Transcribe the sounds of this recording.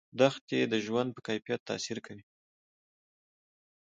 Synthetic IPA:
d̪axt̪jed̪əʒwand̪̚pəkajfijat̪ːa̰siɾkawi

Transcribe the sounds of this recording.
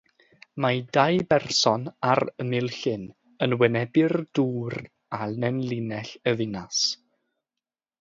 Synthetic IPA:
madajbɛrsɔnaɾəmɪlˠɬɪn | ənwɛnɛbɪrd̥uːr | anɛnlˠinɛɬəðɪnas

